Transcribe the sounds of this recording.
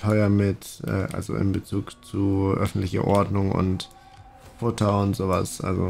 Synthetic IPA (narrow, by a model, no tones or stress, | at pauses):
tʰɔʏɐmɪtʔɛːʔa̰lzo̰ʔɪ̰mbət͡suːkt͡suʔœfn̩tlɪçɐ̰ʔɔɐdnʊŋʊ̰nt | fʊtʰɐʊntz̥oːva̰sʔa̰lzo